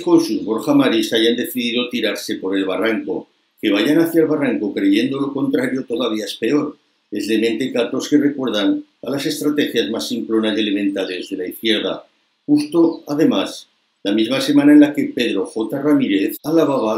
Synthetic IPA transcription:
konsuzβo̞ɾxamaɾisaʝand̪e̞θiðiðot̪iɾaɾse̞po̞ɾe̞lβ̞araŋko̞̰ | ke̞βaʝanaθjaelβaraŋko̞kɾe̞ʝe̞nd̪o̞lo̞ko̞nt̪ɾaɾjo̞t̪o̞ðaβiae̞spe̞o̞ɾ | ezle̞ment̪ekat̪o̞ske̞re̞kwe̞ɾðaŋalase̞st̪ɾat̪e̞xjazmasimplo̞nase̞le̞mẽ̞nt̪ale̞zðe̞laiθkje̞ɾð̞a̰ | xust̪o̞að̞e̞mas | lamizmase̞mãnaenlake̞pe̞ðɾo̞xo̞t̪aramiɾeθalaβ̞aβa

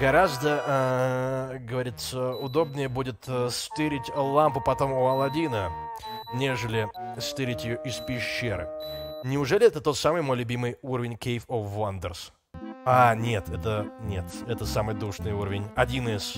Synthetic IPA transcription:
ɡ̥ɐɾazd̪ə | ɡəvɐɾʲit̪səʊd̪o̞bnʲɪjəbudʲɪt̪st̪ɨɾʲɪtʲlˠampʊpɐt̪o̞mʊɐlˠɐdʲinə | nʲe̞ʐɨlʲɪst̪ɨɾʲɪtʲjɪjoʔɪspʲɪɕːeɾɨ̰nʲɪʊʐɛlʲɪɛt̪ət̪o̞t̪samɨjmo̞jlʲʊbʲimɨjuɾəvʲɪnʲkʲejfofːand̪ərs | anʲe̞t̪ɛt̪ənʲet̪ɛt̪əsamɨjd̪uʂnɨjuɾəvʲɪnʲɐdʲinɨs

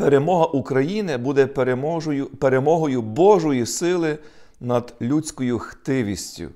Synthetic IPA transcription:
peɾemɔɦɐʔukɾɐjinɪbud̪ɛpɾmɔʒɔjʊpe̞ɾemɔɦɔjʊbɔʒɔjisɪlˠɪ | nɐd̪lʲut͡sʲkɔjʊxt̪ɪʋʲisʲtʲʊ̰

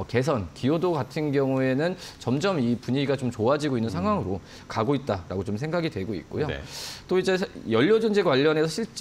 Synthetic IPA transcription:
ke̞s̬ʰʌnkijodoɡatʰɯnɡjʌŋue̞nɯnt͡ɕʌmd͡ʑʌmipuɲiiɡat͡ɕomt͡ɕoad͡ʑiɡoinːɯnsʰaŋɦwaŋɯɾo | kaɡoit̚t͈aɾaɡot͡ɕomsʰe̞ŋɡaɡidwe̞ɡoḭt̚k͈ojo̰t͈oid͡ʑe̞sʰjʌʎːʌd͡ʑond͡ʑekwaʎːʌne̞sʰʌɕʰiɭt͡ɕ͈

